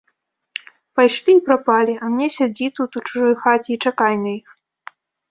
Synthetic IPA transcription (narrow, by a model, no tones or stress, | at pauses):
pajʂlʲimʲpɾapalʲiʔɐmnʲɛsʲad͡zʲit̪ut̪ut͡ʂuʐɔjxat͡sʲiːt͡ʂakajnɐix